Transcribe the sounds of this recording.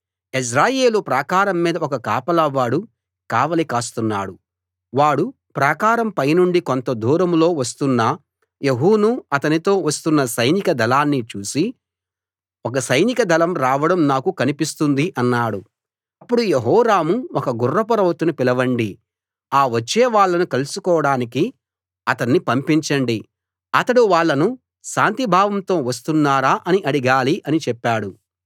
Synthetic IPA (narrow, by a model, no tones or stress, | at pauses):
is̬ɾaːje̞ːlupɾaːkaːɾɐmːiːd̪ɐɔkɐkaːpɐlɐʋaːɽu | kaːʋɐlikaːst̪unːaːɽu | ʋaːɽu | pɾaːkaːɾɐmpɐjnuɳɖiko̞nt̪ɐd̪ʱuːɾɐmlo̞ːʋɐst̪unːɐ | jeɦuːnuɐt̪ɐnit̪o̞ːʋɐst̪unːɐsɐjnikɐd̪ʱɐlaːnːit͡ʃuːsi | ɔkɐsɐjnikɐd̪ʱɐlɐmɾaːʋɐɽɐmnaːkukɐnipist̪und̪iʔɐnːaːɽu | ɐpːuɽujeɦɔːɾaːmuɔkɐɡurːɐpɐɾɐʋɐt̪unupilɐʋɐɳɖi | aːʋɐt͡ʃːeːʋaːɭːɐnukɐlusukɔːʋɐɽaːniki | ɐt̪ɐnːipɐmpiɲt͡ʃɐɳɖi | ɐt̪ɐɽuʋaːɭːɐnu | ʃaːnt̪ibʱaːʋɐmt̪o̞ːʋɐs̬t̪unːaːɾaːʔɐniʔɐɽiɡaːliʔɐnit͡ʃɛpːaːɽu